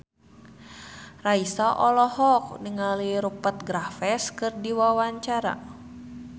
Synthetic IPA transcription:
raisaʔɔlɔhɔk̚niŋaliɾupət̪̚ɡɾafɛskɨrdiwawaɲt͡ʃaɾa̰

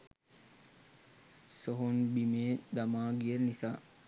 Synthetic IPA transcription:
soɦonbimeːd̪amaːɡiəɾnisaː

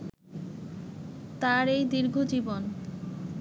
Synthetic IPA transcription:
t̪aɾejd̪iɾɡʱod͡ʑibon

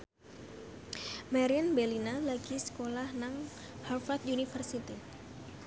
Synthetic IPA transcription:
maɾianbɛlinalaɡisə̥kolahnaŋ | halfat̪unifərsit̪i

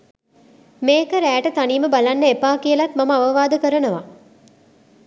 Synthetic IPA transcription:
meːkəɾæːʈət̪aniːməbalanːəepaːkijəlat̪maməaʋəʋaːd̪əkəɾənəʋa̰

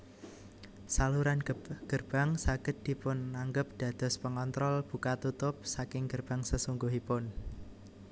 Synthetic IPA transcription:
saluɾanɡ̥ərb̥a̤ŋsaɡ̥ə̤t̪̚d̪̥i̤pʊnːaŋɡəp̚d̪̥ä̤d̪̥ɔ̤spəŋɔnt̪ɾɔlb̥ṳkat̪ut̪ʊp̚sakɪŋɡ̥ərb̥a̤ŋsəsuŋɡuɦipʊn

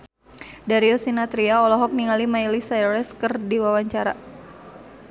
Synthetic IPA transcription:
daɾiɔsinat̪ɾiaɔlɔɦɔk̚niŋalimailisajɾɛskərdiwawaɲt͡ʃaɾa

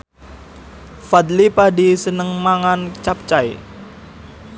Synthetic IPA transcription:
fad̪lipadisənəŋmaŋant͡ʃap̚t͡ʃaj

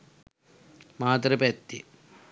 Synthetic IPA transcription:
maːt̪ɾɐpɛt̪ːḭ

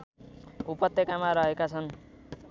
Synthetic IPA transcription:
upʌt̪ːekamaɾʌɦekat͡sʰʌn

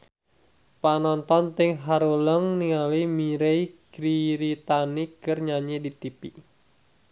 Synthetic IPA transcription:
panɔnt̪ɔnt̪ɪŋɦaɾuləŋniŋalimiɾeikɾiɾit̪anikɨrɲaɲedit̪ipi

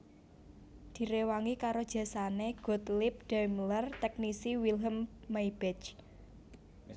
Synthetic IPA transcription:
d̪̥i̤ɾewaŋikaɾod̥ʒ̥ä̤saneɡ̥ɔ̤t̪lɪp̚ɖ̥ajmlərt̪ɛk̚nisiwilɦəmːaibɛt͡ʃ

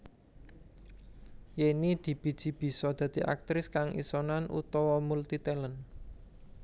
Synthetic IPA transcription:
jinid̪̥i̤b̥i̤d̥ʒ̥i̤b̥i̤sɔd̪̥ä̤d̪̥i̤ʔa̰k̚t̪ɾɪskaŋḭsɔnanʔṵt̪ɔwɔmult̪it̪ɛlən

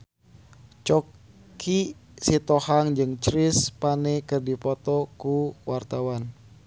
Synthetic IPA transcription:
t͡ʃɔ | kʰisit̪ɔhaŋd͡ʒɨŋt͡ʃɾispanɛkɨrdipɔt̪ɔkuwart̪awan

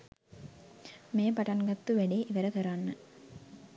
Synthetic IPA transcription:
meːpɐʈɐnɡɐt̪ːuʋɛɖeːʔiʋɐɾɐkɐɾaːnːɐ

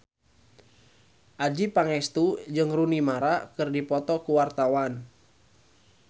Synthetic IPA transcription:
ʔad͡ʒipaŋɛst̪ud͡ʒɨŋrunimaɾakɨrdipɔt̪ɔkuwart̪awan

